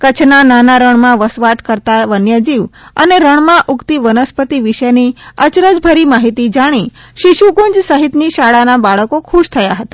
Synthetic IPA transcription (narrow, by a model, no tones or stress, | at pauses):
kət͡ʃʰnananaɾəɳmãʋəsʋaʈkəɾt̪aʋənjəd͡ʒiʋəneɾəɳ̃mãʔukt̪iʋənəspət̪iʋiʃəjniət͡ʃɾəd͡ʒbʱəɾimaɦit̪id͡ʒaɽ̃iʃiʃuɡuɲd͡ʒsəɦit̪niʃaɭanabaɭəkokʰuʃt̪ʰəjaɦət̪ḁ